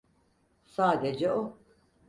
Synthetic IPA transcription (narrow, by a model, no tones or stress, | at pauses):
saːd̪ed͡ʒɛo